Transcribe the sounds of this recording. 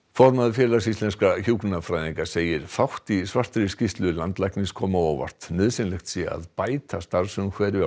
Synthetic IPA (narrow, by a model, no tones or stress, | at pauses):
fɔɾmaðfjɛɾlas̬ist̪lɛnskaçuknnafɾajðiŋkaseːjɪɾ̥fawht̪isvar̥t̪ɾɪscist̪lʏlant̪lajknɪskʰɔːmaowva̰r̥t̪nʏːðsɪnlɛxt̪sia̰ðpaːjt̪ast̪aɾsʏmkʰvɛːɾɪva